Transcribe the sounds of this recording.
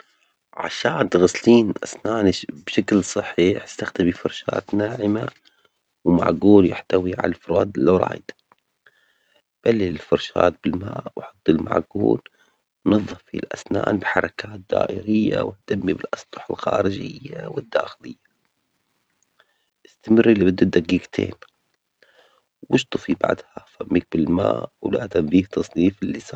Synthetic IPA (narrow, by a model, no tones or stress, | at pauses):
ʕa̰ʃaːt̪ɣasliːnʔasnaːnbʃaklsˤɨħːiħst̪axt̪amifɑɾˤʃaːt̪naːʕɪma | wma̰ʕɡuːljɪħt̪awiʕa̰lafʊɾaːd̪lːaɾˤɑ̰ːjd̪a | b̥alːiɪlfɑɾˤʃa̰ːt̪̚bɪlmaːʔwħɑt̪ˤːɪlma̰ʕɡṵːl | nɑðˤːɑffilʔasnaːnbɪħɑɾˤɑkaːt̪̚d̪̥a̰ːʔɪɾɪjːawɪht̪amːibɪlʔɑsˤt̪ˤʊ̥ħalxaːɾɪd͡ʒɪjːawɪd̪ːaːxɪlɪjːḁ | ʔɪst̪amɪrːilːibɪd̪ːʊd̪aɡiɡt̪ʰḛːn | wʔɪʃt̪ˤɨfiba̰ʕd̪hafamːik̚bɪlmaːʔwlaːt̪ambiːht̪ɑsˤniːfɪlːisaː